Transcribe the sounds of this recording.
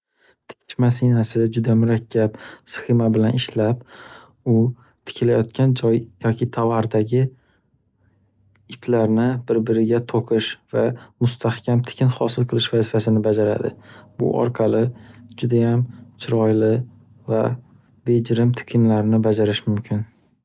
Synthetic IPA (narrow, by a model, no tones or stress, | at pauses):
t̪ʰɪ̥kʲt͡ʃmasinasɪd͡ʒʊd̪amʊɾakʲʰːapsɪ̥xɪmabɪlanɪʃlap | ʊ | t̪ʰɪ̥kʲʰɪlajɒt̪̚kʲʰand͡ʒɒjjɒkʲʰɪt̪ʰavaɾd̪aɡʲɪ | ɪpʰlaɾnɪbɪɾbɪɾɪɡʲat̪ʰoqʰɨʃvamʊst̪ʰahkʲʰamt̪ʰɪ̥kʲʰɪnhɒsɪlˠqʰɨlˠɪʃvazɪfasɪnɪbad͡ʒaɾa̰d̪ɪ̰b̥ʊ̰ʔɒ̰ɾqʰɑlɪd͡ʒʊd̪ajamt͡ʃʰɪɾɒjlɪ | va | be̞d͡ʒɪɾɪmt̪ʰɪ̥kʲʰɪnlaɾnɪbad͡ʒaɾɪʃmʊmkʲʰɪn